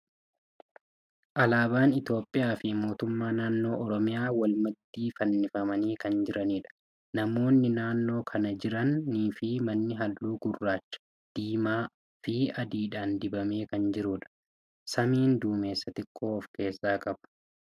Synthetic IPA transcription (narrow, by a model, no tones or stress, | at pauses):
ʔɐlaːbaːnɪt̪jo̞ːpʼːɪjaːfɪmo̞ːt̪ʊmːaːnaːnːo̞ːʔɔɾɔmɪjaːwɐlmɐd̪ːiːfɐnːɪfɐmɐniːkɐnd͡ʒɪɾʔɐniːᶑɐ̥ | nɐmo̞ːnːɪnaːnːo̞ːkʰɐnɐd͡ʒɪɾɐnːiːfɪmɐnːɪɦɐlːuːɡʊrːaːt͡ʃːɐ̥ | d̪̥iːmaː | fɪɐd̪iːᶑaːnd̪ɪbɐme̞ːkɐnd͡ʒɪɾuːᶑɐ̥ | sɐmiːnd̪uːme̞ːsːɐt̪ɪkʼːo̞ːɔfke̞ːsːaːkʼɐbɐ̥